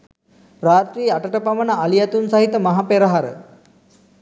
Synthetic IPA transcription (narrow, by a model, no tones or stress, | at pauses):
praːt̪ɾiːaʈəʈəpaʋənəalijat̪unsaɦit̪əmaɦapeɾəɦaɾə̰